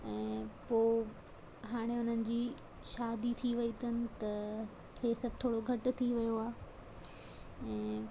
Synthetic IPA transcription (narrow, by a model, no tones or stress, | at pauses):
ɛ̃ːpoː | ɦaːɽ̃eʊn̤ənɪ̆d͡ʑiː | ʃaːd̪it̪ʰiʋɐit̪ənɪ̆t̪ɐ | kʰeːsɐbʱɪt̪ʰoːɽoɡʱɐʈʊ̆t̪ʰiʋɐjoaː | ɛ̃ː